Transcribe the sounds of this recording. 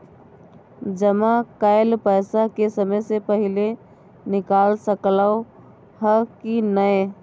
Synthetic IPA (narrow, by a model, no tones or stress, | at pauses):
d͡ʒəmakaɪlpəɪsakesəməjsepəɦɪle | nɪkaːlsəklao | həkinəe